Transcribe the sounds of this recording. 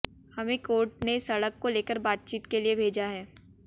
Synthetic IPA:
hɐmẽkoːɾʈ̚neɪsɐɽəkːoleːkəɾbaːt̪̚t͡ʃiːt̪keliebʱeːd͡ʒaɦɛː

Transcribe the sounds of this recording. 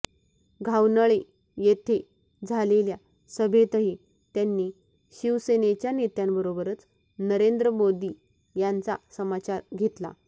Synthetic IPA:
ɡʱawnəɭe | jet̪ʰe | d͡zʱalelja | səbʱet̪əɦi | t̪janːiː | ɕiʋsenet͡ɕjanet̪jãmbəɾobəɾət͡s | nəɾend̪ɾəmod̪iː | jant͡sa̰səmat͡ɕaɾɡʱet̪la̰

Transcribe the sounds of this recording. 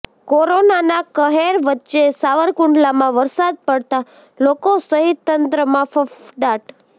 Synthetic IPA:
koɾonanakəɦeɾʋətːʃesaʋəɾkʊɳɖlamãʋəɾsad̪̚pəɽt̪a | lokosəɦit̪ːənt̪ɾəmãfəfɖaʈ

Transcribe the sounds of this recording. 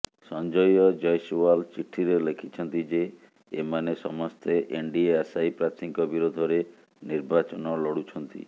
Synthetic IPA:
sɔnd͡ʒɔjɔd͡ʒɔjsualt͡ʃiʈʰiɾelekʰit͡ʃʰɔnt̪id͡ʒeː | manesɔmɔst̪ʰeʔeɳɖieasajpɾat̪ʰiŋkɔbiɾod̪ʱɔɾe | niɾbat͡ʃɔnɔlɔɽut͡ʃʰɔnt̪ḭ

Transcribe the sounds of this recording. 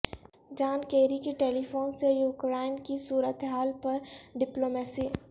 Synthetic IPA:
d͡ʒaːnkeːɾikeʈeːlifʰoːnsejuːkɾaːɪnkisuːɾət̪ɦaːlpɐɾɖɪploːmɛːsiː

